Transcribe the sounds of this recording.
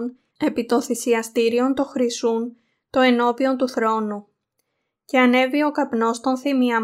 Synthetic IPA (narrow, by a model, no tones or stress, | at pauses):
n | e̞pit̪o̞nθisiɐst̪iɾio̞nt̪o̞xɾisun | t̪o̞e̞no̞pio̞nt̪uθɾo̞nu | ce̞ɐne̞vio̞kɐpno̞st̪o̞nθimiɐ